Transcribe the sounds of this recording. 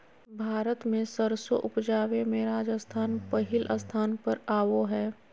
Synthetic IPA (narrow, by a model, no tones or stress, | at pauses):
bʱaːɾət̪mẽsəɾsoʔʊpd͡ʒaːʋemẽɾaːd͡ʒəst̪ʰaːnpɐɦɪlʔəst̪ʰaːnpɐɾaːʋoɦɛː